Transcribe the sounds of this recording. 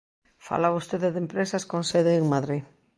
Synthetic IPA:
fa̰laβost̪eðeðempɾesɐskõnseðeːŋmaðɾi

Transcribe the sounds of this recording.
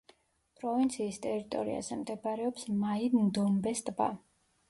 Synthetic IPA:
pʼɾɔvint̪sʰiːst̪ʼɛɾit̪ʼɔ̰ɾḭa̰zɛmd̪ɛbaɾɛɔpsmaimnd̪ɔmbɛst̪ʼba̰

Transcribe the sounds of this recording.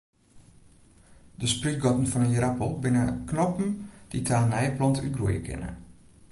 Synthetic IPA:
dəspryt̚ɡɔtn̩fɔnənjəɾapəlˠbɪnəknɔpn̩d̥itʰaːnɛjəplɔntyɡrujəkʰɪ̰nə̰

